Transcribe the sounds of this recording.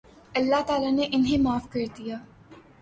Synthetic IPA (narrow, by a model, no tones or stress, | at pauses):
ɐlːaɦt̪aːlaneʔɪnɦemaːfkɐɾd̪ijaː